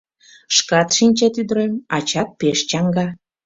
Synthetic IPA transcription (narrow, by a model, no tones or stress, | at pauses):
ʃkɑt̪ʃinʲt͡ɕet̪yd̪ɾemɑt͡ɕɑt̪̚peʃt͡ɕɑŋɡɑ